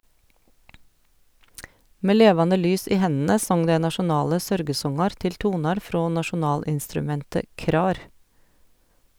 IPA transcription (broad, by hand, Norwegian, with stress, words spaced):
ˈmeː ˈleːʋɑnə ˈlyːs ˈiː ˈhɛnə ˈsɔŋ ˈdɛ nɑʃʊˈnɑːlə ˈsœɾɡəˌsɔŋɑɾ ˈtɪl ˈtuːnɑɾ ˈfɾoː nɑʃʊˈnɑːlɪnstɾʉˌmɛntə ˈkɾɑːɾ